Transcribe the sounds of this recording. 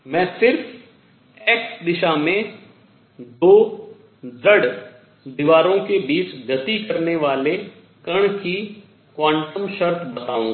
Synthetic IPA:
mɛ̃ːsɪɾf | eːkd̪ɪʃamẽ | d̪oː | d͡ʒəɽ | d̪ɪʋaːɾõkebiːt͡ʃɡɐt̪ikɐɾneʋaːle | kɐɽ̃ki | kwãːɳʈəmʃəɾt̪ʰbɐt̪aːũː

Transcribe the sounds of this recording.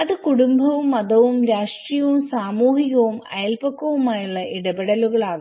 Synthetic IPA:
ɐðɨkuɽumbʱɐʋumɐd̪ɐʋumɾaːʂʈrijɐʋumsaːmuːɦiɣɐʋumɐ̰jɐlpɐkːɐʋumaːjuɭːɐʔiɽɐbeɽɐluɣɐɭaːn

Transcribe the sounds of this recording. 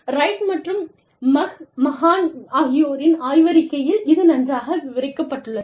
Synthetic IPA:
ɾɐɪʈmɐʈrɯm | mɐɣmɐɣaːnaɣɪjoːɾɪnaːjʋɐɾɪkːɐjɪlɪðɯnɐndraːɣɐʋɪɾɐɪkːɐpːɐʈːɯɭːɐ

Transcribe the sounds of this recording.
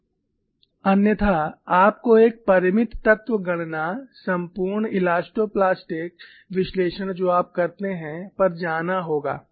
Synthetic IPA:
ɐnjət̪ʰaaːpkoeːk̚pɐɾɪmɪt̪ːɐt̪ʋəɡɐɽ̃nasɐ̃mpuːɾɳɪlaːsʈoːplaːsʈɪk̚ | ʋɪʃleːʃəɽ̃d͡ʒoːaːp̚kɐɾt̪eɦɛ̃pɐɾd͡ʒaːnaɦoːɡa̰ː

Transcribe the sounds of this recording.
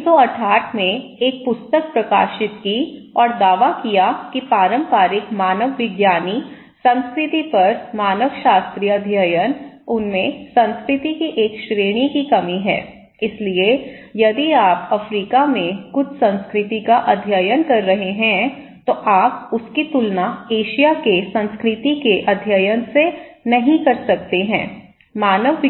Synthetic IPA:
soɐʈʰaːʈʰmẽeːk̚pʊst̪ək̚pɾɐkaːʃɪt̪ki | ɔːɾd̪aːʋakijakipaːɾə̃mpaːɾɪkmaːnəʋːɪɡjaːni | sɐ̃nskɾɪt̪ipɐɾmaːnəʋʃaːst̪ɾijɐd̪ʱjəjənʊnmẽsɐ̃nskɾɪt̪ikiʔeːkʃɾeːɽ̃ikikɐmiɦɛ̰̃ː | ɪslie | jɐd̪iaːpɐfɾiːkamẽkʊt͡ʃʰsɐ̃nskɾɪt̪ikaʔɐd̪ʱjəjənkɐɾːɐɦeɦɛ̃ | t̪oʔaːp̚ʊskit̪ʊlnaeːʃijakesɐ̃nskɾɪt̪ikeʔɐd̪ʱjəjənsenɐɦĩkɐɾsɐk̚t̪eɦɛ̰̃ː | maːnəʋː

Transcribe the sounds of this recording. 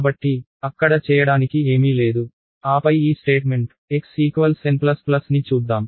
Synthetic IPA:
aːbɐʈːi | ɐkːɐɽɐt͡ʃɛːjɐɽaːnikie̞ːmiːle̞ːd̪u | aːpɐjiːsʈe̞ːʈme̞ɳʈ | eksiːkʋɐlsenplɐsplɐsnit͡ʃuːd̪ːaːm

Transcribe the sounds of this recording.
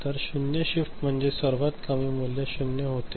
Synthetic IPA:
t̪əɾɕunjəɕifʈm̤əɳd͡zesəɾʋat̪kamiːmuljaɕunjəɦot̪

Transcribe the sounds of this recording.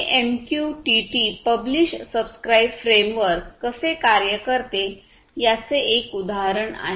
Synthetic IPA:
ʔemkjuʈiʈipəbliɕʈsəbskɾaibfɾemʋəɾkːəsekaɾjəkəɾt̪e | jat͡seekud̪aɦɾəɳa̰ɦe

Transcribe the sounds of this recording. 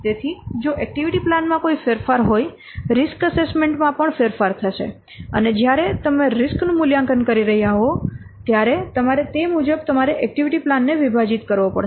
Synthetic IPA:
t̪et̪ʰid͡ʒoʔɛk̚ʈiʋiʈiplanmãkoifeɾfaɾɦoj | ɾɪskəsesmeɳʈmãpəɳfeɾfaɾt̪ʰəʃḛ | ə̰ned͡ʒjaɾet̪əmeɾɪsknũmuljãŋkənkəɾiɾəɦjaɦo | t̪jaɾet̪əmaɾet̪emud͡ʒəb̚t̪əmaɾeʔɛk̚ʈiʋiʈiplanːeʋibʱad͡ʒit̪kəɾʋopə̰ɽʃ

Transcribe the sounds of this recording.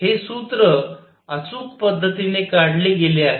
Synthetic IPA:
hesut̪ɾə | at͡suːkpəd̪ʱːət̪inekaɽleɡeleaɦe

